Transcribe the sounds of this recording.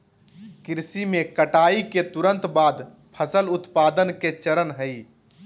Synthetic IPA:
kɪɾsimekəʈaːiket̪uɾə̃nt̪baːd̪ | pʰəsəlʊt̪paːd̪ənket͡ʃəɾənɦəi

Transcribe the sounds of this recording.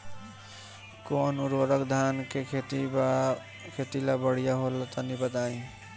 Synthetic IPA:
konuɾoɾəkd̪ʱankekʰet̪i | kʰet̪ilabəɽ̤ijaɦolat̪ɔnibət̪aĩ

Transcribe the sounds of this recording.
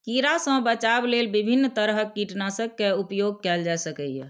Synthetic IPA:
kiɾasə̃bət͡ʃablelbibʱinːt̪əɾɦəkːiʈnasəkːeupjoɡ̚kɛld͡ʒaesəkəjɛ̰

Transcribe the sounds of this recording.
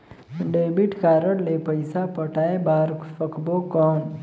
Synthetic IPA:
ɖeːbiʈkaːɾəɽlepəjsapɐʈaːebaːɾkfɐkbokɔːm

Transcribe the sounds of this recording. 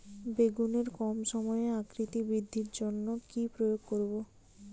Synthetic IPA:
beɡuneɾkɔmʃɔmɔeakɾit̪ibɾid̪ʱːiɾd͡ʑonːokipɾojoɡ̚koɾbo

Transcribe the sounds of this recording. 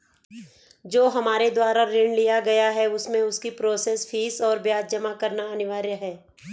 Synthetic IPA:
d͡ʒoːɦɐmaːɾed̪waːɾaɾɪ̃ɳɖlijaɡɐjaɦɛʊsmẽʊskipɾoːseːsfʰiːsɔːɾbjaːd͡ʒd͡ʒɐmakɐɾnaɐnɪʋaːɾjəɦɛː

